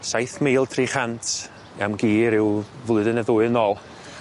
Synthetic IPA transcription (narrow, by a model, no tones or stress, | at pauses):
sajθmeːlˠtʰriːχantʰ | amɡiːɾɪwvlʊɨðənəðʊːɨnɔːlˠ